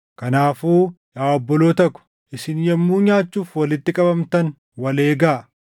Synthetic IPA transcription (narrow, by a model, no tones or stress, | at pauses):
kɐnaːfuː | jaːɔbːɔloːt̪ɐkːʊ̥ | ʔɪsɪnjɛmːuːɲaːt͡ʃːuːfwɐlɪt̪ːɪkʼɐbɐmt̪ɐn | wɐle̞ːɡaː